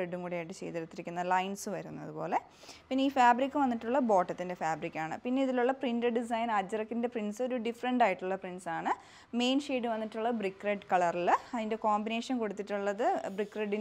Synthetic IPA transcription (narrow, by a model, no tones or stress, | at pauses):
eɖːumkuːɽejaːjiʈːɨt͡ɕḛjt̪iɾɐt̪ːiɾikʲːunːɐlɐjnsɨʋɐɾṵnːɐ̰ðɨpo̞̰ːle̞ | pinːeiːfaːbɾikʲːɨʋɐnːiʈːuɭːɐbo̞ːʈːɐt̪ːinde̞faːbɾikʲːaːɳɨ̰pinːe̞iðiluɭːɐprinɖeɖis̬ɐjnaːd͡ʑɐrɐkːinde̞prinsɨo̞ɾuɖifɐɾɐɳɖaːjiʈːuɭːɐprinsaːɳɨ | me̞ːnʂeːɖɨʋɐnːiʈːuɭːɐbrikːreɖkɐɭɐrilɐðinde̞ko̞ːmbine̞ːʂɐnko̞ɽut̪ːiʈːuɭːɐðɨbrikːreɖin